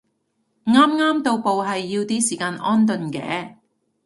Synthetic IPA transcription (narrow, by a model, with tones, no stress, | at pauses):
ŋaː˥mŋaː˥mt̪o˧wpo˨wɦɐ˨jːiː˧wt̪iː˥siː˨˩kaː˧nʔɔː˥nt̪̬ɵ˨˧nkɛ̰ː˨˥